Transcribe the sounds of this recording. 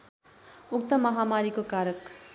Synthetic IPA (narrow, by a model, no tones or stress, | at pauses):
uk̚t̪ʌmʌɦamaɾikokaɾʌk